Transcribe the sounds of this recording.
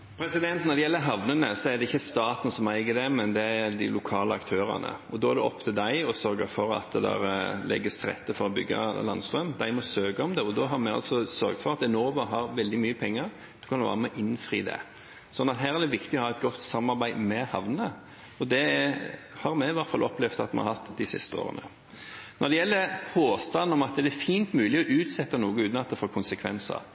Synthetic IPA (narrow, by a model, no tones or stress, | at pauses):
pʰɾɛsɪd̪ɛnt̪nɛɾd̪ɛjɛlːəɦɑʋnənəsɔæɾd̪ɛɪçːəst̪ɑːt̪n̩sɔmæɪɡəd̪ɛmɛnd̪ɛæɾd̪ɪ̰lʊkʰɑːləɑ̰kt̪ʰøːɾɑ̰nə̰ɔd̪ɔæd̪ɛɔ̰pːt̪ʰɪd̪æɪɔsœɾɡəfɔɾɑ̰t̪d̪ɛ̰ɾlɛ̰ɡːəst̪ʰɾɛ̰t̪ːəfɔɾɔbʏɡːɑ̰lɑnst̪ɾœmd̪æɪmɔsøːɡəɔmd̪ɛɔd̪ɔɦɑɾmɛɑ̰lsɔsœɾɡt̪fɔɾɑt̪ɛnoːʋɑɦɑɾʋɛld̪ɪmyːəpʰɛŋːəɾ | d̪̥ʉ̥kʰɑnʋɑ̰ːɾəmɛʔɪnːfɾḭːd̪ɛ̰ | sɔnːɑt̪ɦæːɾæd̪ɛʋɪkt̪ɪɔhɑːɛt̪ɡɔt̪ːsɑmːɑɾbæɪmɛhɑʋnə | ɔd̪ɛ | hɑɾmɛʋɑɾt̪fɑlʔɔplɛʋt̪ɑt̪mɛ̰nɑ̰hɑt̪ːd̪ɪsɪ̰st̪əo̰ːʁə̰nə | nɔɾd̪ɛjɛlːəpʰoːst̪ɑnːɔmɑt̪d̪ɛæfiːnt̪mʉːlɪɔʔʉːt̪sɛt̪ːənuːɡəʉːt̪nɑt̪ːəfɔɾkʰʊnsəkʰʋɛ̰nsə̰ɾ